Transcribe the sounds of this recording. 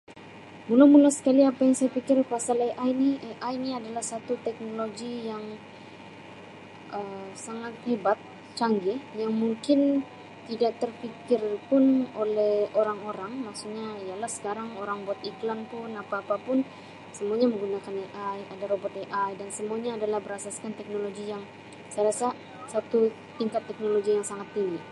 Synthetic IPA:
munomulasə̥kaliapajaŋsajapikɪrpasaleʔajniʔeʔajniadalahsat̪ut̪ɛk̚noloɡijaŋ | ʔəsaŋat̪̚hebat̪̚ | t͡ʃaŋɡɛjaŋmuŋkɪn | t̪idak̚t̪ərfikɪrpʊnolɛhoɾaŋoɾaŋmaksuɲaijalahsə̥kaɾaŋoɾaŋbɔt̪iklanpʊnapaːpapʊn | səmuaɲaməŋɡunakaneʔajadaɾobɔt̪̚eʔajdansəmuaɲaːdalahbəɾasaskant̪ɛk̚noloɡijaŋ | səlasa | sat̪u | t̪iŋkat̪ːɛk̚noloɡijaŋsaŋat̪ːiŋɡi

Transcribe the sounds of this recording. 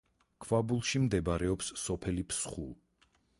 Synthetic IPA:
kʰvabulˠʃimd̪ɛbaɾɛɔpsːɔpʰɛlipʰsχṵlˠ

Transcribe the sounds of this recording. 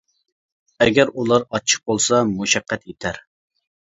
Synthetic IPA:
ɛɡʲɛɾulˠɑɾɑt͡ʃʰə̥q̚bolˠsɑmuʃɛqʰːɛt̪ʰjet̪ʰæɾ

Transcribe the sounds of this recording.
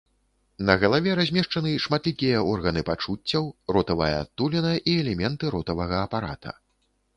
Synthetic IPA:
nɐɣɐlˠavʲɛɾazʲmʲɛʂt͡ʂɐnɨʂmat̪lʲikʲijɐʔɔrɣɐnɨpat͡ʂut͡sʲːɐwrɔt̪ɐvɐjɐ̰t̪ːulʲinɐʔiɛlʲɛmʲɛnt̪ɨɾɔt̪ɐvɐɣɐːpaɾat̪ʰɐ̰

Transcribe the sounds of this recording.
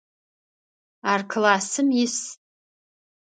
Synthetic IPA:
arkʰlasɨmis

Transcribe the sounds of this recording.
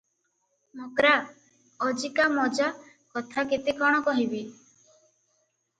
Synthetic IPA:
mokɾa | ɔd͡ʒikamɔd͡ʒa | kɔt̪ʰaket̪ekɔɽ̃ɔkɔɦibi

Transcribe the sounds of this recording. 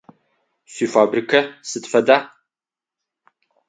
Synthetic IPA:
sʷiːfaːbrikʰɐsɨtfɐdaː

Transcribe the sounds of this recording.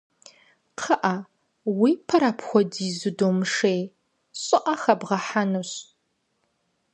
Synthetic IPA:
qʰɐʔɐ | wiːpʰɐɾaːpʰxʷɔdiːzɨdoːmɨʂeːj | ɕʼɪʔɐxɐbʁɐħanuɕ

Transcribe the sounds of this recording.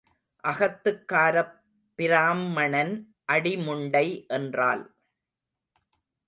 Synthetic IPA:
ʔɐɣɐt̪ːɯkːaːɾɐpː | ɪɾaːmːɐɳɐn | ʔɐɽɪmʊɳɖɐɪʔɛndra̰ːl

